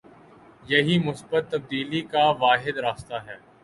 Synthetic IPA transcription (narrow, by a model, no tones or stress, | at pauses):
jɐɦimʊsbət̪ːɐb̚d̪iːlikaʋaːɦɪd̪ɾaːst̪aɦɛː